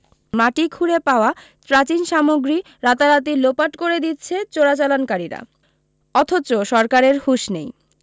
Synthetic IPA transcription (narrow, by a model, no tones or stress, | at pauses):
maʈikʰuɾepaoa | t͡ɕɾat͡ɕinʃamoɡɾi | ɾat̪aɾat̪̬ilopaʈkoɾed̪it̪ːt͡ɕʰet͡ɕoɾat͡ɕalonkaɾiɾa̰ | ɔt̪ʰot͡ɕoʃɔɾkaɾeɾhuʃnej